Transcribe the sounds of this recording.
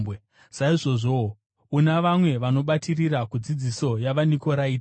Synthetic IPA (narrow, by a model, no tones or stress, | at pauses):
e | saiʐo̞ʐo | unaʋamwe̞ʋano̞ɓatirirakud͡zid͡ziso̞jaʋaniko̞ɾaiːt